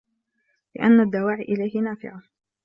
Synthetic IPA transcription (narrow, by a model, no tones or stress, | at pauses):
lɪ̰ʔanːad̪ːawaːʕiʔɪlajhɪnaːfɪ̰ʕa